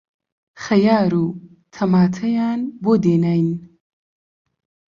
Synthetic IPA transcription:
xɐjaːɾuː | t̪ʰɐmaːt̪ʰɐjaːnboːd̪eːnaːjn

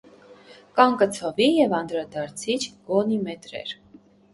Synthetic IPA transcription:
kɑŋkət͡sʰɔvijɛvɑnd̪ɾɑd̪ɑɾt͡sʰit͡ʃʰɡ̥ɔnimɛt̪ɾɛ̰ɾ

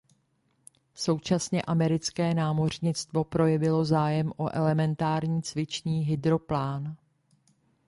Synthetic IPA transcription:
so̞wt͡ʃasɲɛ̰ʔamɛɾɪt͡skɛːnaːmo̞r̝ɲɪt͡st̪vo̞pɾo̞jɛvɪlo̞zaːjɛmʔo̞ʔɛlɛmɛnt̪aːɾɲiːt͡svɪt͡ʃɲiːɦɪd̪ɾo̞plaːn

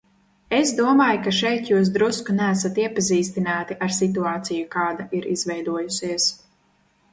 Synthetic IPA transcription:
esd̪uɔmaːjkaʃɛjt̪juːs̬d̪ɾuskunæːsat̪iɛpaziːst̪inaːt̪iʔaɾsit̪̬uaːt̪sijukaːd̪aʔiɾizvɛjd̪uɔjusiəs

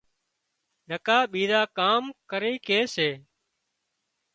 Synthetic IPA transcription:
ɗəkaːɓiːzaːkaːmkəɾeːkeːseː

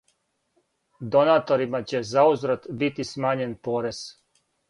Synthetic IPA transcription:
d̪o̞naːt̪o̞ɾimat͡ɕe̞zauzɾat̪bit̪ismaːɲe̞npo̞ɾe̞z̥

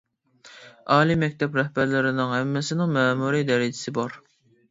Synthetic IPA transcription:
ɑːlˠimɛkʲt̪ʰɛpɾɛhbæɾlɪɾɪnɪŋhɛmːɪsɪnɪŋmɛːmuɾid̪ɛɾɪd͡ʒɪsɪbɑɾ

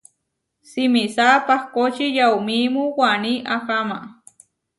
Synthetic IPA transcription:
sɪmisaːpɑχkot͡ʃijawmimuwaniʔakama

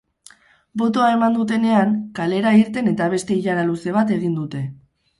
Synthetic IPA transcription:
bo̞t̪o̞ae̞mand̪ut̪̬e̞ne̞aŋkale̞ɾaiɾt̪e̞ne̞t̪aβ̞e̞st̪e̞iʎaɾaluse̞β̞at̪e̞ɣ̞ind̪ut̪e̞

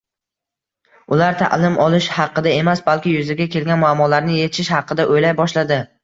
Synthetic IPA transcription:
ʊlaɾt̪ʰa̰ʔlɪmʔɒlˠɪʃhɑqːɨd̪ae̞masbalˠkʲɪjʊzɪɡʲakʲʰe̞lɡʲanmʊamːɒlaɾnɪje̞t̪ʰɪ̥ʃɪʃhɑqːɨd̪aʔojlajbɒʃlad̪ɪ

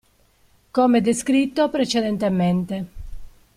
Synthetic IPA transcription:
komed̪eskɾit̪ːopɾet͡ʃed̪ent̪ement̪e

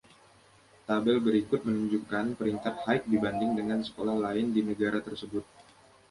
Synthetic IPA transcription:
t̪abɛlbəɾikʊt̪̚mənuɲd͡ʒukanpəɾiŋk̪at̪̚hajk̚dibandɪŋdəŋansə̥kolahlaɪndinəɡaɾat̪ərsəbʊt̪̚

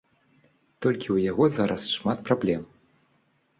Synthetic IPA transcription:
t̪ɔlʲkʲiwjaɣɔzaɾɐsʂmat̪̚pɾablʲɛm

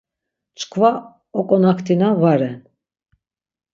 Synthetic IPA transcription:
t͡ʃkʰva | ɔkʼɔnakʰt̪ʰinavaɾɛn

